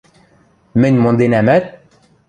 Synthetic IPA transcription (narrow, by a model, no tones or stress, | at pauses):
mɘ̆nʲmond̪enæmæt̪̚